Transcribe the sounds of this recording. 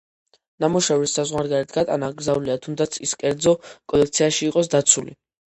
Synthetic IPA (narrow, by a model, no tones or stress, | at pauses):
namuʃɛvɾisːazʁwaɾɡaɾit̪ʰɡat̪ʼa̰naɡɾzauliat̪ʰumd̪at̪sʰiskʼɛɾd̪zɔkʼɔlɛk̚t̪sʰiaʃiːqʼɔsd̪at̪sʰulḭ